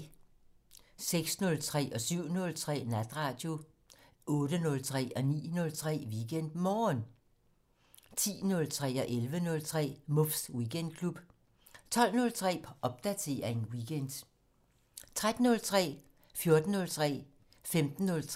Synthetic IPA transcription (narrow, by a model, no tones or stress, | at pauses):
seɡ̥snɔ̽lt͡sʰʁɛ̰ːʔɒ̽syʊ̰nɔ̽lt͡sʰʁɛ̰ːnæd̥ʁɑ̈ːd̥jo̝ | ɔ̽ːɾ̥ənɔ̽lt͡sʰʁɛ̰ːɒ̽nḭːnɔ̽lt͡sʰʁɛ̰ːʋiɡ̥en̰d̥mɒːn | t͡sʰḭːnɔ̽lt͡sʰʁɛ̰ːɒ̽ʔelʋənɔ̽lt͡sʰʁɛ̰ːmɔfswiɡend̥̚kʰlub̥ | t͡sʰɒ̽l̰nɔ̽lt͡sʰʁɛ̰ːʔɒ̽b̥̚d̥æt͡sʰe̝ɐenwiɡ̥end̥ | t͡sʰʁad̥n̩ɔ̽lt͡sʰʁɛ̰ː | fjɔ̝ɐd̥n̩nɔ̽lt͡sʰʁɛ̰ː | femd̥n̩ːɔ̽lʰ